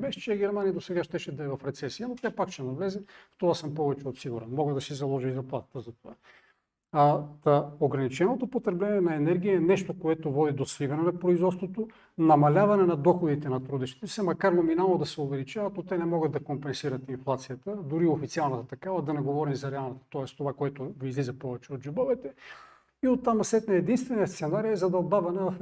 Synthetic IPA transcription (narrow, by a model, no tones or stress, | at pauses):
bɛʃt͡ʃɛɡɛɾmanijəd̪osɛɡaʃt̪ɛʃɛd̪ɐɛvɐfɾɛt̪sɛsiənot̪japakt͡ʃɛnɐvlɛzɛft̪ovasɤmpɔvɛt͡ʃɛot̪siɡuɾɛnmɔɡəd̪ɐsɛzɐlˠɔʒizɐplˠat̪ə̥t̪əzɐt̪ova̰ | t̪əoɡɾɐnit͡ʃɛnot̪opot̪ɾɛblɛniɛnɐɛnɛɾɡʲijəɛnɛʃt̪okoɛt̪ovɔd̪id̪oslivɐnɛnɐpɾoizvɔt̪st̪vot̪o | nɐmɐlʲavɐnɛnɐd̪ɔxod̪it̪ɛnɐt̪ɾud̪ɛʃt̪i̥t̪ɛsɛmɐkaɾnominalˠnod̪ɐsɛovɛlit͡ʃavɐt̪not̪ɛnɛmɔɡət̪ːɐkompɛnsiɾɐt̪inflˠat̪sijət̪əd̪ʊɾiofit̪sialˠnɐt̪ɐt̪ɐkavɐd̪ɐnɛɡovɔɾimzɐɾɛalˠnɐt̪ɐ̥t̪ɔɛst̪ovakoɛt̪ovizlizɐpɔvɛt͡ʃɛot̪ʒubəvɛt̪ɛ | iot̪ːamɐsɛt̪nəɛd̪inst̪vɛniɐst̪sɛnaɾiɛzɐd̪ɐbavɐnɛvɐf